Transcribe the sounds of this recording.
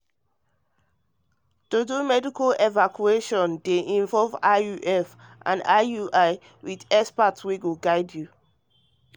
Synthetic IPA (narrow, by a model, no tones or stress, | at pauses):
todumɛdikalevakʰueʃɔ̃ndeʔĩɱvɔlvauʔɛfʔã̰nauʔaɪ | widɛspatwiɡuɡaɪdju